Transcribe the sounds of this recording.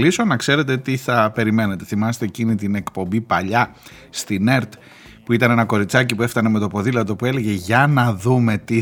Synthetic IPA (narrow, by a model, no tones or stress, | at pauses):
liso̞nɐkse̞ɾe̞t̪̬et̪iθɐpe̞ɾime̞ne̞t̪e̞̥θimɐse̥t̪e̞ːcinit̪ine̞kpo̞mbipɐʎɐ | st̪ine̞ɾt̪ | puit̪ɐne̞nɐko̞ɾit͡sɐcipue̞ft̪ɐne̞me̞t̪o̞po̞ðilɐt̪o̞pue̞le̞ʝe̞ʝɐnɐðume̞t̪i